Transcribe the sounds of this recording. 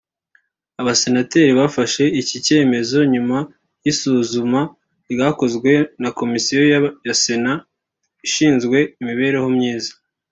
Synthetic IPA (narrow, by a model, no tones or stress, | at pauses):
aβase̞nate̞ːɾiβafaʃe̞icice̞ːme̞zo̞ɲuma | jisuːzuma | ɾɡaːko̞zɡwe̞nako̞misijo̞jase̞na | iʃiːnzɡwe̞imiβe̞ɾe̞ho̞mɲiːzḁ